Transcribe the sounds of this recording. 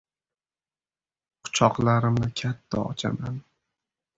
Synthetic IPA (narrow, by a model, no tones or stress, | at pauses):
qʰʊ̥t͡ʃʰɒqlaɾɪmnɪkʲʰat̪ʰːaɒ̰t͡ʃʰa̰man